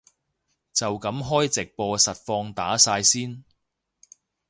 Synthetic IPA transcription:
t͡sɐ˨wkɐ˨˥mɦɔː˥jt͡sɪ˨k̚pɔː˧sɐ˨t̚fɔː˧ŋt̪a̰ː˨˥saː˧jsiː˥n

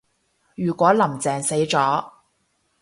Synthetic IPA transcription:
jyː˨˩kʷwɔː˨˥lɐ˨˩mt͡sɛː˨˩ŋse˨˥jt͡sɔː˨˥

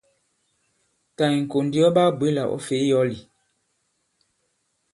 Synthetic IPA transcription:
ta˨i˨ŋ̩˨ko˨ndi˦ɔ˦ba˦bwe˦la˨ʔɔ̰˦fe˨˦jɔ˦li˨

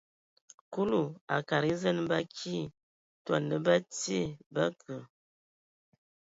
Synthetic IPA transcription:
ku˦lu˨a˨ka˨ɾi˦zə˦nba˦kʰi˦ | twa̰˨nə˦ba˦ti˦e˦˨ba˦kə˨

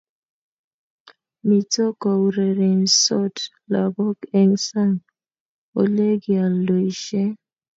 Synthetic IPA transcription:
mi˨to˦kɔ˨wu˨ɾe˨ɾe˨nsɔ˦t | la˨bɔ˦kɛ˦ŋsa˦˨n | o˨le˦ɡi˨a˨lːo˨i˨ʃɛ˦

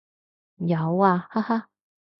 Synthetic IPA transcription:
ja˨˧waː˧ha˥ha˥

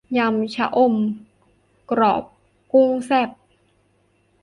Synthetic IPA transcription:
ja˧mt͡ɕʰa̰˦˥ʔo˧˩m | kɾɔ̰ː˨˩p̚ | ku˥˩˨ŋsɛ˥˩p̚

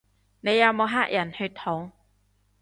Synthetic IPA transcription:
ne˨˧jːɐ˨˧wmo˨˧ɦaː˥k̚jɐ˨˩nhɵ˧t̪ʰʊ˨˥ŋ

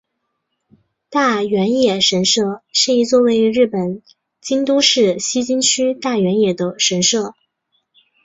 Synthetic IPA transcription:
t̪a˥˩ɥɛ˧˥njɛ˨˩ʂə˧˥nʂɤ˥˩ʂɻ̩˥˩i˧˥t͡swɔ˥˧we˧˥ɪ˧ɻɻ̩˥˩pə˨˩n | t͡ɕi˥nt̪u˥ʂɻ̩˥˩ɕi˥t͡ɕi˥nt͡ɕʰy˥t̪a˥˩ɥɛ˧˥njɛ˨˩d̪ə˦ʂə˧˥nʂɤ˥˩

